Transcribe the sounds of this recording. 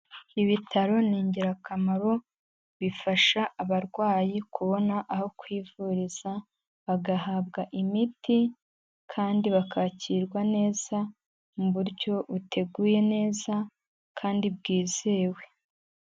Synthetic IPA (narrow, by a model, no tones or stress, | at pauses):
iβitʰaɾo̞niːɲɟiɾakamaɾo̞ | βifaʃaʔːβaɾɡwaːjikʰuβo̞naʔaho̞kwiːvuɾiz̥a | βaɡahaβɡaʔimiti | kʰaːndiβakʰaciːɾɡwane̞ːz̥a | muβuɾɟo̞βutʰe̞ɡuːje̞ne̞ːza | kʰaːndibɡiːzeːwe̞